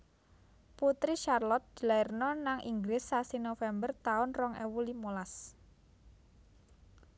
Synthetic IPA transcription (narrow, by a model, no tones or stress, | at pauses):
put̪ɾiʃarlɔt̪̚d̪̥i̤laɪrnɔnaŋʔḭŋɡɾɪsːasinofɛmbərt̪aʊnrɔŋɛ̰wulimolas